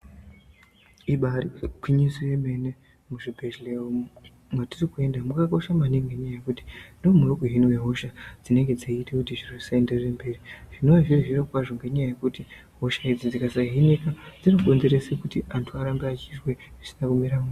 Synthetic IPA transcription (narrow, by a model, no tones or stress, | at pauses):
iɓarikwiɲisujeme̞ne | muʐibʱeleo | mwatirikue̞ndamukak̬o̞ʃamaniŋɡe̞ɲajajekuti̥ndomweokuɦinwe̞ɦo̞ʃad͡zine̞ŋɡe̞d͡zeitekutiʐiroisaendererembe̞ːriʐ̥ino̞ʐiriʐirokwaʐo̞ŋɡe̞ɲajaje̞kuti | ɦo̞ʃaid͡zid͡zikasaɦinekad͡zino̞ko̞nzeɾe̞sekutiantʰuaɾambeat͡ʃirwe̞isinakumiɾamu